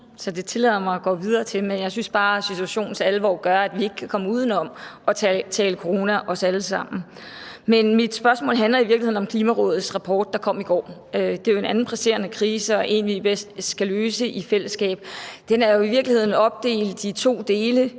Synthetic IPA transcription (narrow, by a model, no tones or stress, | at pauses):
sɒ̽d̥e̝t͡sʰe̝lɛðˠɐmɑ̈ɪɒɡ̥ɒ̰ːʋið̞ˠɐːt͡sʰe̝lmenjɑ̈ɪsynsb̥ɑ̈ːsit͡sʰuæɕo̝̰ːn̩t͡sʰeælʋɒ̰ːɡ̥ɶɐæd̥ʋie̝ɡ̥ə̥kʰækʰɒ̽məuːð̞ˠn̩ɒ̽mɒ̽t͡sʰɛːləkʰoʁo̝ːnæʔɒ̽sæləsɑ̈m̰n̩ | menmid̥sb̥ɶɐsmɔ̰ːlɦænlɐiʋiɐɡlihe̝̰nɒ̽mkʰliːmæʁɔ̽ːð̞̩ˠsʁɑ̈pʰɒ̰ːd̥̚ːɑ̈kʰɒ̽m̰iɡ̥ɒ̰ː | ød̥e̝joe̝næn̩pʰʁɛse̝̰ːɐnəkʰʁiːsəɒ̽ʔe̝̰ːnʋib̥esd̥sɡ̥æløːsəʔifel̰əsɡ̥ɛ̰ːb̥̚d̥enæɐjo̝iʋiɐɡ̥lihe̝ð̰ˠn̩ɒ̽b̥̚d̥e̝̰ːld̥d̥it͡sʰo̝̰ːd̥e̝ːlə